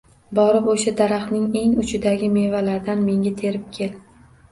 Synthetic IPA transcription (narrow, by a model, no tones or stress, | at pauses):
bɒɾɪpoʃad̪aɾaχnɪŋe̞ŋʊt͡ʃʰɪd̪aɡʲɪme̞valaɾd̪anme̞ŋɡʲat̪ʰe̞ɾɪp̚kʲʰe̞l